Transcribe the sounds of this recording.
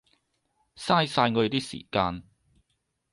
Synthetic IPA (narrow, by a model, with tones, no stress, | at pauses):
saː˥jsaː˧jŋɔː˨˧je˧t̪iː˥sḭː˨˩kaː˧n